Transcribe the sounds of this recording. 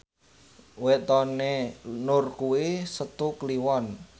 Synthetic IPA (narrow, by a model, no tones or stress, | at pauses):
wɛt̪ɔnenʊrkuwisət̪ukliwɔn